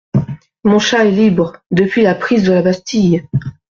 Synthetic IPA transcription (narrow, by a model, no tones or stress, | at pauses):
mɔ̃ʃaɛlibʁd̪əpɥilapχizd̪əlabast̪ij